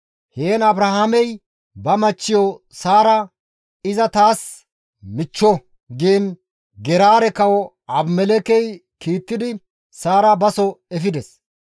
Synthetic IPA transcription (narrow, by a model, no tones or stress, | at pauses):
heːnɐbɾahaːmɛj | bɐmɐt͡ʃːɪjɔ | saːɾɐ | ɪzɐt̪aːs | mɪt͡ʃːɔ | ɡeːn | ɡɛɾaːɾɛkɐwɔ | ɐbmɛlɛkɛjkiːt̪ːɪd̪ɪ | saːɾɐbɐsɔɛfɪd̪ɛs